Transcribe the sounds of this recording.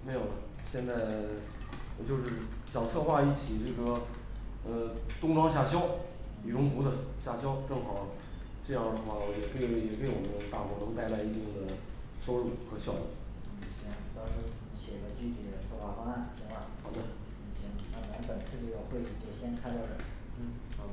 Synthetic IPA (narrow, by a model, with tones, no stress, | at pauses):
me˧˥ɪjo˨˩ə˧ | ɕjɛ˥˧nt͡sa˥˩ɪ˧ | t͡ɕjo˥˧ʊʂɻ̩˥˩ɕjɑ˨˩ʊt͡sʰɤ˥˧xwa˥˧i˥˩t͡ɕʰi˨˩t͡ɕjo˥˧˩ʊʂʈ͡ʂɔ˥ | ə˧t̪ʊ˥ŋʈ͡ʂwɑ˥ŋɕja˥˩ɕ̬jɑ˥ʊ | i˨˩ʈ͡ʂʊ˧˥ŋfu˧˥d̪ə˧ɕja˥˩ɕjɑ˥ʊʈ͡ʂɤ˥˩ŋxɑ˨˩ʊ | ʈ͡ʂɤ˥˧jɑ˥˩d̪ə˩xwa˥˩˧jɛ˨˩ke˥˩jɛ˨˩ke˥ɪwɔ˨˩mənə˦t̪a˥˩mwɔ˧˥t̪ʊ˥ŋt̪a˥˧ɪla˥˧ɪi˥˧t̪i˥˩ŋd̪ə˩ | ʂo˥ʊɻu˥˩xɤ˧˥ɕjɑ˥˧ʊlṵ˥˩˨ɕɛ˧˥n˩t̪ɑ˥ʊʂɻi˧˥ɕjɛ˨˩ɡə˧˥t͡ɕy˥t̪ʰi˨˩ə˨˩t͡sʰɔ˥˧xwa˥˩fɑ˥a˥˩nɕɛ˨˧˩ŋwa˥˩xɑ˧˥d̪ə˧˩ | i˧˩ɕi˧˩ŋna˥˩˨a˧˥pə˨˩nt͡sʰɹ̩˥˧t͡ɕo˥˧ʊɡə˧xwe˥˩ɪt͡ɕʰi˨˩t͡ɕjo˥˩ʊɕjɛ˥nkʰa˥ɪt̪ɑ˥˩ʊʈ͡ʂə˥˩˥